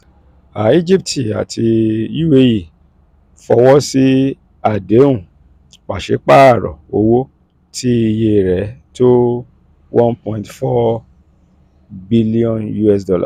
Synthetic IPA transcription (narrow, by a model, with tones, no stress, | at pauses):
a˨˦i˦d͡ʒi˦p̚tʰi˨a̰˨tʰi˧ju˦we˧ji˨ | fɔ˧wɔ˦si˦ | a˦˨de˨˦ũ˦˨ | k͡pa˨ʃe˨˦k͡pa˦a˦˨ɾɔ̰˨o˨˦wo˦ | tʰi˦i˧je˧˨ɾɛ˨˦to˦ | wɔ̃˦npɔ̃˧ĩ˧tfɔ˦ | bi˦li˦ɔ̃˦nju˦ɛ˦˨s̬dɔ˧la̰˨